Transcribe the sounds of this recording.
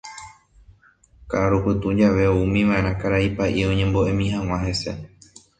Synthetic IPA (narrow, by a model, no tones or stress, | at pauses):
kaaɾupɨt̪ũd͡ʒaʋe̞oumĩʋãẽɾãkaɾaipaʔiõɲẽmbo̞ʔe̞mĩɦãw̃ãɦe̞se̞̰